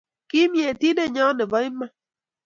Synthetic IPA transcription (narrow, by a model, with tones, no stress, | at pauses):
kɪ˦mje˨ti˦de˦˨ɲɔ˦nɪ˨vɔ˦ɪ˦ma˦